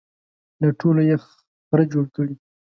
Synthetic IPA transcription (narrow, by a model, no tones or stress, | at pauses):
laʈʰoloje | pɾad͡ʒoɽkəɽi